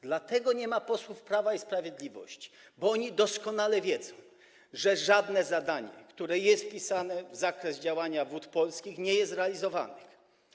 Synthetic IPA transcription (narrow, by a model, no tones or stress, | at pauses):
d̪lat̪ɛɡɔɲɛmapɔswufpɾavaispɾavʲjed̪lʲivɔ̰ɕt͡ɕi̥ | bɔɔɲid̪ɔskɔnalɛvʲjɛd̪zɔ̃w̃ | ʐɛʐad̪nɛzad̪aɲɛ̰kt̪uɾɛjɛst̪̚pʲisanɛvzakɾɛzd͡ʑawaɲavut̪pɔlskʲixɲɛjɛst̪ɾɛalʲizɔva̰nɪx